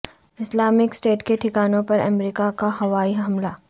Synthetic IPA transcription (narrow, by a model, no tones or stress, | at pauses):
ɪslaːmɪksʈeːʈkeʈʰɪkaːnõpɐɾɐ̰mɾiːkakahɐʋaːiɦɐmla